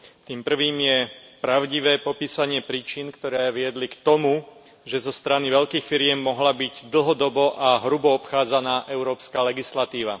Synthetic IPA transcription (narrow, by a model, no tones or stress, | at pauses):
t̪iːmpr̩ʋiːmjɛpɾaʊɟiʋɛːpɔpiːsaɲɪɛpɾiːt͡ʃinkt̪ɔɾɛːʋɪɛd̪likt̪ɔmu | ʒɛzɔst̪ɾaniʋɛʎkiːxfiɾɪɛmːɔɦlabiɟd̪l̩ɦɔd̪ɔbɔʔaɦɾubɔɔpxaːd͡zanaːʔɛʊɾɔːpskaːlɛɡislat̪iːʋa̰